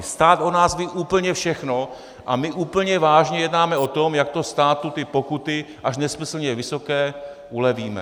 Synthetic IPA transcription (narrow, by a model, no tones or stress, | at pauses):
st̪aːt̪onaːzviːʔuːpl̩ɲɛfʃɛxno̞ | ʔamɪʔuːpl̩ɲɛvaːʒɲɛjɛdnaːmɛot̪omjak̚t̪ost̪aːt̪ut̪ɪpo̞kut̪ɪ | ʔaʃnɛsmɪsl̩ɲɛvɪso̞kɛː | ʔulɛviːmɛ̰